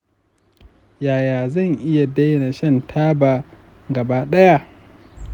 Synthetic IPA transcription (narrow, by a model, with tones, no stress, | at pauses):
jaː˨jaː˨zɐ˦˨ŋʔɪ˦ja˨dɐ˦jna˨ʃɐ˦ntʰaː˦ba˨ | ɡɐ˨baː˦ɗɐ˦ja˦ʔ